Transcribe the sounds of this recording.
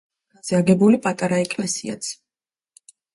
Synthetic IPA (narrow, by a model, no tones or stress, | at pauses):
azɛaɡɛbulipʼat̪ʼaɾaɛkʼlɛsia̰t̪sʰ